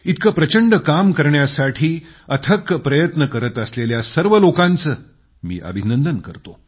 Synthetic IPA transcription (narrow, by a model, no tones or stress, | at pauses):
it̪kəpɾət͡ɕəɳɖəkamkəɾɳjasaʈʰiːət̪ʰəkpɾəjət̪nəkəɾət̪əsleljasəɾʋəlokãnt͡səː | mḭːʔə̰bʱinənd̪ənkəɾt̪o